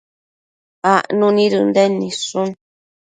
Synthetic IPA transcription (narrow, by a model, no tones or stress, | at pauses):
aʔnũnĩɾund̪enĩsũn